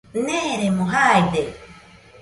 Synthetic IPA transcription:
neɾemoɦaid̪e

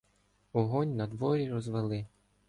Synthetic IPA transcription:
ɔɦɔnʲnɐd̪ʋɔɾʲiɾɔzʋelˠɪ

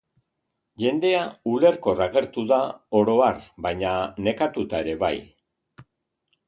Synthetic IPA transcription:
ʝe̞nd̪e̞aule̞ɾko̞raɣe̞ɾt̪uðao̞ɾo̞arbajɲane̞kat̪ut̪ae̞ɾe̞βa̰j

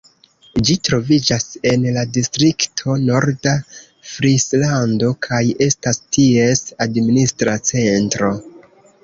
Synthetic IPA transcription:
d͡ʒitɾo̞vid͡ʒase̞nladistɾiktʰo̞no̞ɾda | fɾislando̞kʰaje̞stastie̞sadministɾat͡se̞ntɾo̞

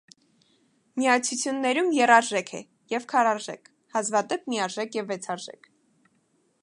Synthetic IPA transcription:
miɑt͡sʰut͡sʰjunːɛɾumjɛrɑɾʒɛkʰɛ̰ | jɛvkʰɑrɑɾʒɛ̰kʰ | hɑzvɑd̪ɛp̚miɑɾʒɛkʰjɛvːɛt͡sʰɑɾʒɛ̰kʰ

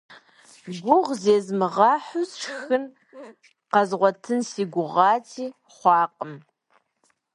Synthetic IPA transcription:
ɡʷʊʁzeːzmɨʁɑːħʊsʃxɨn | qɑzʁʷɔtʰɨnsiːɡʷʊʁɑːtʰiː | χʷɑːqʼəm

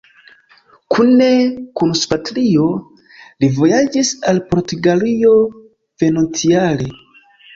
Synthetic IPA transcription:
kʰune̞kunspatlio̞ | livo̞jad͡ʒisalpoɾtuɡalio̞ | v̥e̞no̞nt͡siale

